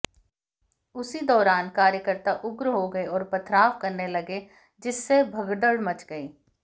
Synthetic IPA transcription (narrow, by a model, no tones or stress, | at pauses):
ʊsid̪ɔːɾaːnkaːɾjəkəɾt̪aʔʊɡɾɦoɡɐeɔːɾpɐt̪ʰɾaːfkɐɾnelɐɡe | d͡ʒɪsːebʱɐɡɖ̪əɽmɐt͡ʃɡɐeː